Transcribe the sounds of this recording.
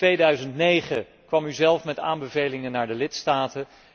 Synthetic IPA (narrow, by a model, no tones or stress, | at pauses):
tʋejdœɥzəntnejχə | kʋɑmyzɛlˠfmɛta̰ːmbəvejlɪŋənaːɹdəlɪtstaːtə